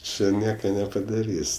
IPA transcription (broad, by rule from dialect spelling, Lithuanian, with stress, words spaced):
ˈt͡ʃʲɪ ˈnʲiɛkɐ nʲɛpɐdɐˈrʲiːsʲ